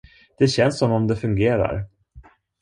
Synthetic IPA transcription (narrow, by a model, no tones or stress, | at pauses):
d̪̥ɛɕɛnsːɔmɔmd̪ɛfɵŋɡeːɾa̰ɾ